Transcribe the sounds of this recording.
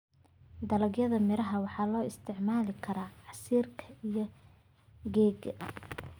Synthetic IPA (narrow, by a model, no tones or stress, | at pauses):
d̪ɐlɐɡjɐðɐmɪɾɐɦɐwɑħɑːlɔːɪst̪ʰɪʕmaːlɪkʰɐɾaːʕɑsiːrkʰɐijɞ | ɡɛːɡɐ